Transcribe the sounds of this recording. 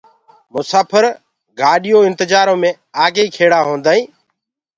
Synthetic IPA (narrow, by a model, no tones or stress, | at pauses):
mʊsaːpʰəɾ | ɡaːɗɪjoːɪ̃nt̪ɪd͡ʒaːɾõːmẽː | aːɡeiːkʰeːɽaːɦõːnd̪aːĩː